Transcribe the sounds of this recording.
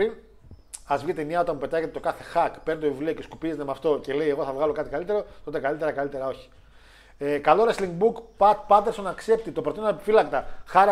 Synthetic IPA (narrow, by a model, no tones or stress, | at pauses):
in | ɐzvʝet̪eniɐo̞t̪ɐnmupe̞t̪ɐʝet̪et̪okɐθe̞xɐkpeɾnit̪ovivlio̞ce̞skupizet̪emɐft̪o̞ce̞le̞jeɣo̞θɐvɣɐlo̞kɐt̪ikalit̪e̞ɾo̞t̪o̞t̪e̞kalit̪eɾɐkalit̪e̞ɾɐo̞çi̥ | ekalo̞ɾesliŋɡbukpɐt̪pɐt̪eɾso̞nɐkse̞p̚t̪it̪o̞pɾot̪innepi̥filɐkt̪ɐxɐɾ